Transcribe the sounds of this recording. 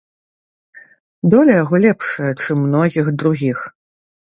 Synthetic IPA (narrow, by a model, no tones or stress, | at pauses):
d̪ɔlʲɐjaɣɔlʲɛpʂɐjɐt͡ʂɨmːnɔɣʲiɣd̪ɾuɣʲix